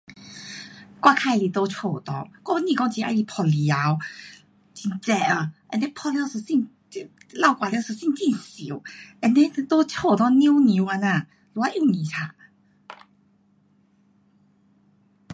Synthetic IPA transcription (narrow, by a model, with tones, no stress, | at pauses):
kwa˧kʰa˧jli˨˧t̪o˧t͡ɕʰɔ˥˧˩t̪ɔ̰˧ŋkɔ˥˧˦nĩ˧kɔ˧˥ŋt͡ɕi˨˧˦ʔa̰˧jli˧˩pʰɔ˧li˧a˧˦w | t͡ɕi˧˩nt͡sɛ˧ə˧ʔə˧˨˩ne˦pʰɔ˧˩lja˧wsɨ˨˧˩si˥˧n˧ | la˥˧˨wkwa˨ljwsɨ˨˧˩si˥˧nt͡ɕi˥˧nsi˨˦ə˧˩ne˦˧˦t̪o˦t͡ɕʰo˥˧t̪ɔ˧ŋni˧˦nĩ˨˦wa˧na˧˨ | lu˨˧a˧ʔju˥˧˨nĩ˨˩tʰa˧˩